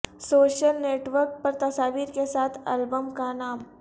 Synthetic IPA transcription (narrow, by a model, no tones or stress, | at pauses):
soːʃəlneːʈʋəɾk̚pɐɾt̪ɐsaːʋiːɾkesaːt̪ʰɐ̰lbəmkanaːm